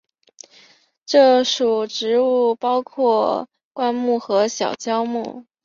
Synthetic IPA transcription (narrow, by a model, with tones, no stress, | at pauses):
ʈ͡ʂɤ˥˩ʂu˨˩ʈ͡ʂɻ̩˧˥u˥˩pɑ˥ʊkʰwɔ˥˩ | kwa˥nmu˥˩xɤ˧˥ɕjɑ˨˩ʊt͡ɕjɑ˥ʊmṵ˥˩